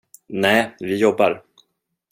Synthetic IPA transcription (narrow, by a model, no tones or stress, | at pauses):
nɛːvɪjɔbːaɾ